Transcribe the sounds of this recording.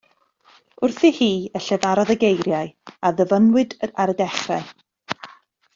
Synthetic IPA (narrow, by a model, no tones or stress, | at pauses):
ʊrθihiːəɬɛvaɾɔðəɡejɾjaɨaðəvənwɨdəaɾədɛχraɨ